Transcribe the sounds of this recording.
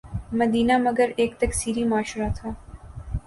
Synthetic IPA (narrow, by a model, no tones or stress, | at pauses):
mɐd̪iːnamɐɡəɾeːkt̪ɐksiːɾimʊaːʃɾat̪ʰaː